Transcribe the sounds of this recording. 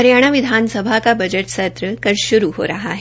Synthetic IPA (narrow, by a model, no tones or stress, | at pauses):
əɾjaɽ̃aʋid̪ʱansəbʱakabəd͡ʑəʈsət̪ɾəkəɾɕuɾuɦo̰ɾaɦaɦe